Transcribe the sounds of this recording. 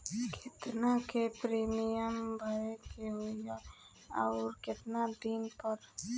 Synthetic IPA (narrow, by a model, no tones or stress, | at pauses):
kʰet̪nakepɾimiəmbʱaɾekeɦoja | a̰uɾket̪nad̪inpɔɾ